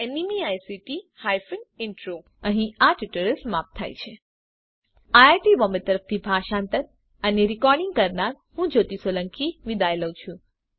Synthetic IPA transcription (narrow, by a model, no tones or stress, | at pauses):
enimiajsiʈihajfənɪɳʈɾo | əɦĩaʈiʈəɾesmap̚t̪ʰa̰jt͡ʃʰe | aaɾʈibɔmbət̪əɾəft̪ʰibʱaʃãnt̪əɾ | əneɾikɔɾɖɪŋɡ̚kəɾnaɾ | hũd͡ʒot̪isoləŋkiʋid̪ajləʋt͡ʃʰũ